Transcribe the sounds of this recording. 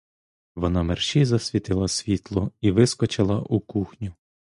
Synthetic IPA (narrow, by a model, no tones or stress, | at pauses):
ʋɔnɑmerʃizɐsʲʋʲit̪ɪlˠɐsʲʋʲit̪lˠɔiʋɪskɔt͡ʃɪlˠɐʔukuxnʲʊ